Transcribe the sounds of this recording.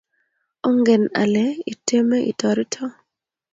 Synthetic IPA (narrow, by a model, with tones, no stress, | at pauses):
o˦ŋɡe˨na̰˨lɛ˨i˨te˦me˦ʔḭ˨tɔ˨ɾi˦tʰɔ˦